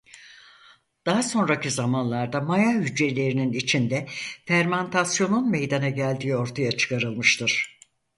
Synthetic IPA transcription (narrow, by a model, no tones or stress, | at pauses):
d̪̥aɦaso̞nɾacizamanlˠaɾd̪amajahyd͡ʒe̞lʲe̞ɾininit͡ʃʰind̪ɛfæɾmant̪ʰasjo̞nunme̞jd̪anaɟælʲd̪iːo̞ɾt̪ʰajat͡ʃʰɯ̥kaɾɯlˠmɯʃt̪ʰɯɾ̥